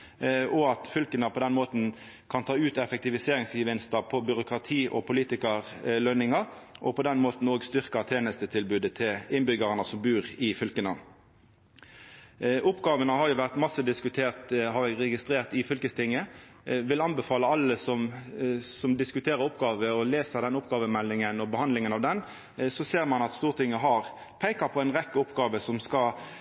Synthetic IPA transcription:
ɔɑt̪fʏlkənəpʰɔd̪ɛnmoːt̪n̩ | kʰɑnt̪ʰɑːʉːt̪ɛfɛk̚t̪ɪʋɪseːɾɪŋsɪʋɪnst̪əpʰɔbʏɾʊkʁɑt̪ʰiːʔɔ̰pʰʊliːt̪ɪkəʁlœnɪŋɑʔɔpʰɔd̪ɛnmoːt̪n̩oːɡst̪ʏʁkət̪ʰeːnəst̪ət̪ʰɪlbʉːd̪ət̪ʰɪlɪnbʏɡəʁənəsɔmbʉːʁɪfʏlkənə | ʔʊpɡɑːʋənəhɑʁjʊʋæʁt̪mɑsːəd̪ɪskʉt̪ʰeːʁt̪ɦɑɾɛɡʁɛɡɪst̪ɾeːʁt̪ɪfʏlkəst̪ʰɪŋːəʋɪlɑnbəfɑːləɑlːəsɔm | sɔmd̪ɪskʉt̪ʰeːʁəɾʊpɡɑːʋəɔleːsəd̪ɛnʊpɡɑːʋəmɛlːɪŋənɔbəhɑnd̪lɪŋənɑʋd̪ɛn | sɔseːʁmɑnɑt̪st̪uːʁt̪ʰɪŋːəɦɑʁ | pʰæɪkɑpʰɔɛɪnʁɛkːəʊpɡɑːʋəsɔmskɑ

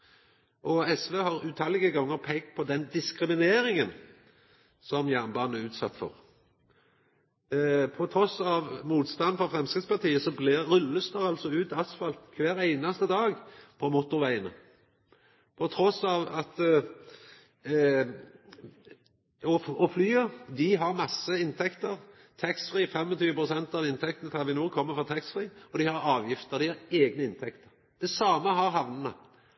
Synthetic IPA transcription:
ʔɔɛsʋeːhɑʁʉːt̪ʰɑlɪɡəɡɔŋːəʁpʰɛɡpʰɔd̪ɛnd̪ɪskʁɪmɪneːɾɪŋən | sɔmjæʁnbɑːnæʉːt̪sɑt̪ːfɔ̰ʁ | pʰɔt̪ʰɾɔsɑʋmuːt̪st̪ɑnfɔʁfɾɛmskʁɪspɑʁt̪ʰiːəsɔblɪʁːʉlːəst̪ɑʁɑlsɔʉːt̪ɑsfɑlt̪kʰʋæːɾæɪnɑst̪əd̪ɑːɡpʰɔmʊt̪ʊʋæɪənə | pʰɔt̪ʰɾɔsɑːʋɑt̪ | ɔɔflyːəd̪ɪɦɑɾmɑsːəɪnt̪ʰɛkt̪əʁ | t̪ʰɛksfɾiːfɛmːɔt̪ʰyːʋəpʰʁʊsɛnt̪ɑʋɪnt̪ʰɛkt̪nət̪ʰɪlʋɪnuːkʰɔmːəfɔt̪ʰɛksfʁiːɔd̪ɪhɑɾɑːʋjɪft̪əʁd̪ɪhɑɾeːɡnəɪnt̪ʰɛkt̪əʁ | d̪̥ɛsɑːməɦɑɾɦɑʋnənə

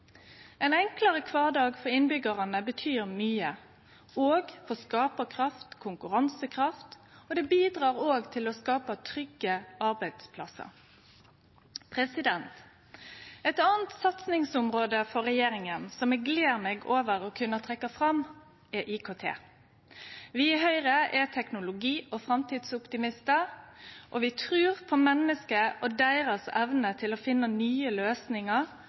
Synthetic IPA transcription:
ɛnɛŋkləɾəkʰʋɑːʁd̪ɑːɡfɔʁɪnbʏɡɑʁɑnəbət̪ʰyːʁmyːə | oːɡfɔskɑːpəkʰʁɑft̪kʰʊŋkʉʁɑnsəkʰʁɑft̪ | ɔd̪ɛbiːd̪ʁɑːʁoːɡt̪ʰɪlɔskɑːpɑt̪ʰɾʏɡəɑɾbæɪd̪̥spʰlɑ̰sə̰ɾ | pʰʁɛsɪd̪ɛnt̪ | ɛt̪ɑːnt̪sɑt̪snɪŋsʊmʁoːd̪əfɔɾɛjeːɾɪŋənsɔmɛɡleːɾmeːɡoːʋəɾɔkʰʉnːət̪ʰʁɛkːɑfʁɑm | ɛʔɪkʰoːt̪ʰḛː | ʋɪɦœʏɾəʔɛt̪ʰɛknʊlʊɡiːɔfɾɑmt̪iːd̪sʊpt̪ɪmɪst̪ə | ʔɔʋɪt̪ʰʁʉːʁpʰɔmɛnːəskəʔɔd̪æɪʁəsɛʋnət̪ʰɪlɔfɪnːənyːəløːsnɪŋəʁ

